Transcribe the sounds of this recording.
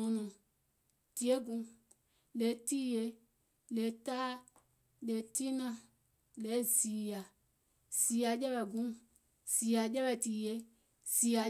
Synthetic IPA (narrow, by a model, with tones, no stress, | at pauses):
ɔ̃˧nɔ̃˨ | ti˨e˦ɡũ˧˦ | le˨˦ti˦je˧ | le˨˦taː˦ | le˨˦ti˦nã˦˨ | le˨˦˨zi˨ja˨ | z̥i˨a˨d͡ʒɛ˦ɓɛ˨ɡũ˦ | z̥iː˨ja˨d͡ʒɛ˦ɓɛ˧˨tiː˨je˨˦ | z̥i˨a˨